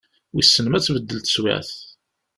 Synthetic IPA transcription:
wisːənəmæt͡sːvəd̪ːəlt̪ə̥swæ̰θ

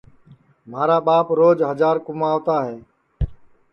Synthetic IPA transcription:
m̤aːɾaːɓaːpɾoːd͡ʒɦəd͡ʒaːɾkʊmaːʋt̪aːɦeː

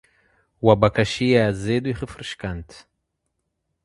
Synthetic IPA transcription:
wabakaʃijaːzed̪uiχəfɾɨʃkant̪

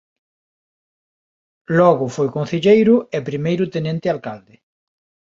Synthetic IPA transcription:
lɔɣʊfojkõn̟θeʎejɾʊɛpɾimejɾʊt̪enent̪ɪalkald̪ɪ

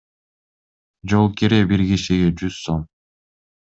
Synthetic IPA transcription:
d͡ʒolˠkiɾebiɾɡiʃiɡed͡ʒyz̥som

